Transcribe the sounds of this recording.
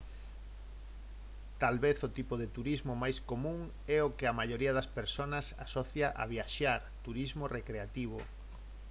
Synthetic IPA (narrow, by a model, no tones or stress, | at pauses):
t̪alβeθot̪ipoðet̪uɾizmomajskomũŋ | ɛokɪamaʎoɾiɐðɐspeɾsonɐsa̰sɔθjaʔa̰β̞iaʃaɾt̪uɾizmorekɾeat̪iβ̞o̰